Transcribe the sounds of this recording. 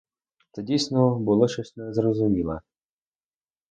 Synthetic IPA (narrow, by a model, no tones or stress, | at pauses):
t̪ɛdʲijsnɔbʊlˠɔʃɔsʲnɛzɾɔzʊmʲilˠɐ̰